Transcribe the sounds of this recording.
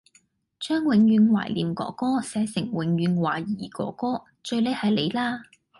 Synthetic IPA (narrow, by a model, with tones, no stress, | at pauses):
t͡ʃœː˥ŋwɪ˨˧ŋjyː˨˧nwa̰ː˨˩jliː˨mkɔ̰ː˨˥kɔː˥sɛː˨˧sɪ˨˩ŋwɪ˨˥ŋɥyː˨˧nwaː˨˩jiː˨˩kɔ̰ː˨˥kɔː˥ | t͡ʃɵ˧ɥle˨˧˥hɐ˨jle˨˧jlaː˥